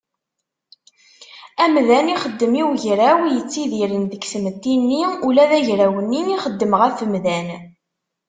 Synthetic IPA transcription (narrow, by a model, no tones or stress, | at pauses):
æmðæniχəd̪ːəmiwʝɾæwjət͡sːiðiɾənðəksəmət̪ːinːiulæðæʝɾæwənːiniχəd̪ːəmʁəfəmðæn